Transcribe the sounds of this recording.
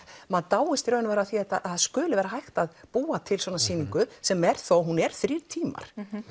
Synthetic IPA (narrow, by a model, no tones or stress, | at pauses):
maðt̪aːwɪst̪iɾœːnʏvɛːɾaθiɛt̪ːaθaðskʏːlʏvɛːɾaɦajht̪aðpuːat̪ʰɪlswɔːnasiːniŋkʏsɛmɛɾ̥θowɦunɛɾ̥θɾiɾt̪ʰiːma̰ɾ̥